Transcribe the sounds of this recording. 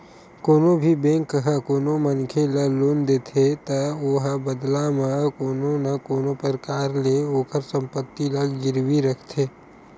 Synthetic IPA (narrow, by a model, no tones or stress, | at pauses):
koːnobʱibẽːŋkːəɦəkoːnomənkʰeləloːnd̪eːt̪ʰet̪ɐoːɦəbəd̪lamakoːnonɐkoːnopəɾkaːɾleoːkəɾsə̃mpət̪ːiləɡɡɪɾwiɾəkʰt̪ʰeː